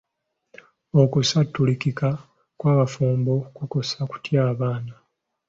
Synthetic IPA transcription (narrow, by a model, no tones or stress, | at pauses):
o̞kusatːulikika | kwaːβafuːmbokuko̞saku̥tjaːβaːna